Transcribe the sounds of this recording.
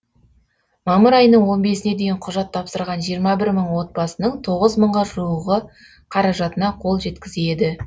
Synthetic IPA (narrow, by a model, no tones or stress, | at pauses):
mɑməɾɑjənəɴwo̞nbe̞sɪne̞d̪e̞jɪɴqʰʊʒɑt̪ʰːɑpsəɾʁɑnʒijəɾmɑbɪɾməɴwo̞t̪̚bɑsənəɴt̪ʰo̞ʁəzməɴʁɑʒuwəʁə | qʰɑɾɑʒɑt̪ənɑqʰo̞lˠʒe̞t̪kʲɪzed̪ɪ